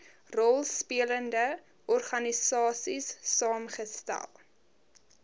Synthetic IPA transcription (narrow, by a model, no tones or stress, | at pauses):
rɔlˠspiələndə | ʔɔrχɐnisɑːsisːɑːmχəstæ̰lˠ